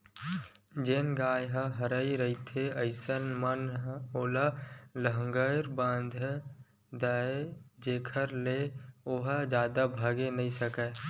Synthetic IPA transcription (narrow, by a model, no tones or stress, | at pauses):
d͡ʒeːnɡaːjɦəɦəɾəiɾəit̪ʰeəɪsənmənoːlaləɦəŋɡəɾbãːnd̪ʱ | d̪aed͡ʒeːkʰəɾleoɦəd͡ʒjaːd̪abʱaːɡenəĩsəkə